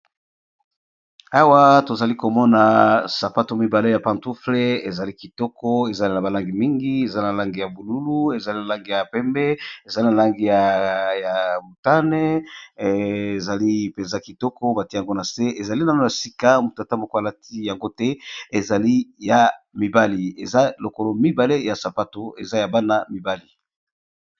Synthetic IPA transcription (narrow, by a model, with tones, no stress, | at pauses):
a˦wa˦to˨za˨li˦ko˨mɔ˦na˨sa˨pa˦to˨mi˨ba˨le˦ja˨pã˨ntu˦fle˦e˨za˨li˦ki˨tɔ˦kɔ˦e˨za˨li˦na˨ba˨la˦ŋɡi˨mi˦ŋɡi˦e˨za˦i˦na˨la˦ŋɡi˨ja˨bu˨lu˦lu˦e˨za˨li˦na˨la˦ŋɡi˨ja˨pɛ˦mbɛ˦e˨za˨li˦na˨la˦ŋɡi˨ja˨ja˨mu˨ta˦ne˦ | e˨za˨li˦pe˨nza˦ki˨tɔ˦kɔ˦ba˨ti˦˨a˨ŋɡo˦na˨se˦ʔe˨za˨li˦n˨a˦no˦˨ja˨si˦ka˦mu˨ta˨ta˦mo˨ko˦a˨la˦ti˦ja˨ŋɡo˦tɛ˦e˨za˨li˦ja˨mi˨ba˦li˨e˨za˦lo˨ko˨lo˨mi˦ba˨le˦ja˨sa˨pa˦to˨e˨za˦ja˨ba˦na˨mi˨ba˦li˨